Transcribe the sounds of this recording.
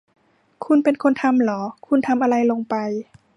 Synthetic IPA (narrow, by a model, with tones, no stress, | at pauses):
kʰu˧npe˧nkʰo˧˥nt̪ʰa˧˥mlɔː˩˦kʰu˧nt̪ʰa˧mʔa˧ɾa˧jlo˧ŋpa˨˧j